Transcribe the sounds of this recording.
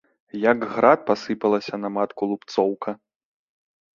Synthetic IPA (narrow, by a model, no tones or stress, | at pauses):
jɐɡɣɾat̪̚pasɨpɐlˠɐsʲɐnɐmat̪kulˠupt̪sɔwkʰɐ